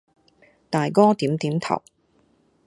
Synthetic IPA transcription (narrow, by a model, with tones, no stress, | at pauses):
t̪aː˨jkɔː˥t̪iː˨˥mt̪iː˨˥mt̪ʰɐ̰˨˩w